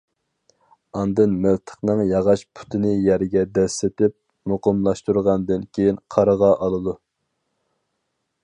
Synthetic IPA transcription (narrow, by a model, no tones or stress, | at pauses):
ɑnd̪ɨnmɪlt̪ʰə̥χnɨŋjɑʁɑʃpʰu̥t̪ʰɪnɪjæɾɪɡʲɛd̪ɛsɪt̪ɪp̚ | moqəmlˠɑʃt̪uɾʁɑnd̪ɨnkʲʰejinqʰɑɾəʁɑʔɑlˠɨd̪u